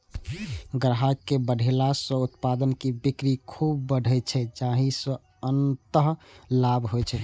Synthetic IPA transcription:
ɡɾɦakːebəɽʱelasə̃ut̪pad̪ənkibikɾikʰubːəɖʱɛt͡ʃʰɛd͡ʒaɦĩsə̃ | ənt̪əɦlabʱɦojt͡ʃʰɛ

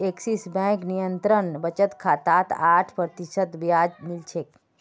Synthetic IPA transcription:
eksisbɛ̃knijənt̪ɾənbət͡ʃət̪kʰaːt̪at̪aʈʰpɾət̪iʃət̪bjad͡ʒmilt͡ʃʰek

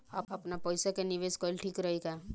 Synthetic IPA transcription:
a̰ːpɐpnapəjsakenɪʋeːskɔlʈʰiːkɾəɦeɡaː

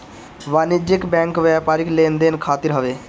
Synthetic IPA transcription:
ʋaːnɪd͡ʒɪkbɛ̃ːŋkʋɛːpaːɾɪklẽːnd̪eːnkʰaːt̪ɪɾɦəʋeː

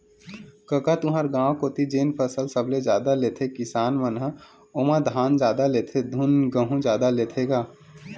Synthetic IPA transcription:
kəkat̪ʊɦaɾɡãːw̃koːt̪id͡ʒeːnpʰəsəlsəbled͡ʒaːd̪aleːt̪ʰekɪsaːnmənɦə | oːmãd̪ʱaːnd͡ʒjaːd̪aleːt̪ʰed̪ʱʊnɡəɦũd͡ʒjaːd̪aleːt̪ʰeɡaː

